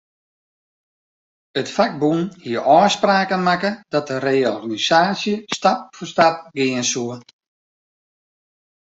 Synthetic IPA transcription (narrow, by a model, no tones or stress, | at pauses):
ətfak̚bunhiəʔɔːspraːkənmakədɔt̚dəreːɔrɣanisaːsjəstap̚fəstap̚ɡɪənsuə